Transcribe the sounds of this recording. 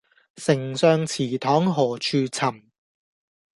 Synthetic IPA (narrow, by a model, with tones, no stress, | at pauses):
sɪ˨˩ŋsœː˧ŋt͡sʰiː˨˩t̪ʰɔː˨˥ŋɦɔː˨˩t͡ʃʰyː˧t͡sʰɐ˨˩m